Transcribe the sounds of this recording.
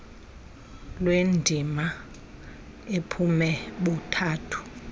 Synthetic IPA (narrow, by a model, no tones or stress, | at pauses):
lwendʱima | epʰumɛɓutʰaːtʰu̥